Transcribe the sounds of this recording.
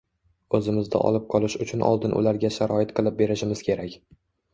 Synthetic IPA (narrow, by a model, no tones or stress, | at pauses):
ɵzɪmɪzd̪a̰ʔɒ̰lˠɪp̚qʰɒlɪʃʊt͡ʃʰʊnʔɒ̰lˠd̪ɪnʔʊ̰laɾɡʲaʃaɾɒɪt̪qʰɨlˠɪp̚be̞ɾɪʃɪmɪz̥kʲʰe̞ɾakʲ